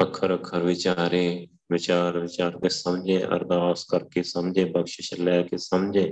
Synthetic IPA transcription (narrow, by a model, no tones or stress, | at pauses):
ɐkʰəɾɐkʰəɾʋɪt͡ʃaːɾe | ʋɪt͡ʃaːɾʋɪt͡ʃaːɾkesɐmd͡ʒʱẽːʔɐ̰ɾd̪aːskəɾkesɐmd͡ʒʱebɐkʃɪʃəlɛːkesɐmd͡ʒʱeː